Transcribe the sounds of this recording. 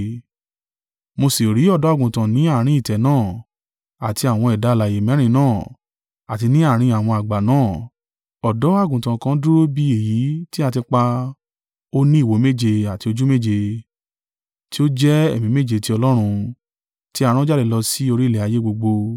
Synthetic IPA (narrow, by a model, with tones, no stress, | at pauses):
mo˧si˨ɾi˨˦ɔ˦˨dɔ˨˦a˦˨ɡũ˨tã˨nĩ˨˦a˦˨ɾ̃ĩ˨˦i˦˨tɛ˨nãː˦˨ | a˨ti˧a˨w̃ɔ̃˧ɛ˨da˨˦la˨je˨mɛ̃˨˦ɾ̃ĩ˧˦nãː˦˨ | a˨ti˧nĩ˦a˦˨ɾ̃ĩ˧a˨w̃ɔ̃˧a˨ɡ͡ba˨nãː˦˨ | ɔ˨dɔ˨˦a˦˨ɡũ˨tã˨kã˦du˦ɾo˦bi˧˦e˨ji˨˦ti˦a˧ti˧k͡pa˧ | o˦nĩ˦i˦˨wo˨˦me˦d͡ʒe˧a˨ti˧o˧d͡ʒu˦me˦˨d͡ʒe˧ | ti˦o˦d͡ʒɛ˦e˦˨mĩ˨˦me˦˨d͡ʒe˨˧˨ti˧˦ɔ˧lɔ˦ɾ̃ũ˧ | ti˦a˧ɾ̃ã˦d͡ʒa˦le˨lɔ˧si˦o˧ɾi˦˨lɛ˨a˨je˨˦ɡ͡bo˧ɡ͡bo˧